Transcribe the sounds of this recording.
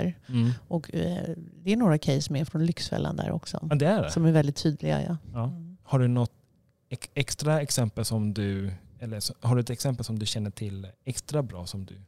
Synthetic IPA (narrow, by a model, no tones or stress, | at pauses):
ɾʔɔk | d̪ɛæɳoːɾakʰɛjsːɔmæɾfɾɔnlʏksfɛ̰lːa̰nd̪æ̰ːɾʔɔ̰ksɔ̰d̪ɛæɖɛsɔmæɾvɛlɪt̪ʰːyːd̪lɪɡa̰jɑ̰ɑːhaɖɵnɔt̪ | ɛɛkst̪ɾaɛksɛmpəlsɔmd̪ɵɛlːəsɔhaɖɵɛt̪ɛksɛmpəlsɔmd̪ɵɕɛnːəʈʰɪlɛkst̪ɾabɾɑ̰ːsɔmd̪ɵ̰